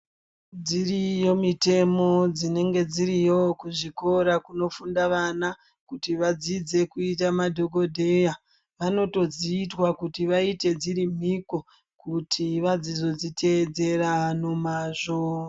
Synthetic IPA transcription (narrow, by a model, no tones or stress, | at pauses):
d͡zirijo̞mite̞mo̞d͡zine̞ŋɡe̞d͡ziɾijo̞kuʐiko̞ɾakuno̞fundaʋana | kutiʋad͡zid͡ze̞kuitamadʱoko̞dʱe̞ja | ʋano̞to̞d͡ziːtwakutiʋaite̞d͡ziɾim̤iko̞ | kutʰiʋad͡zizo̞d͡zitʰe̞ːd͡ze̞rano̞maːʐo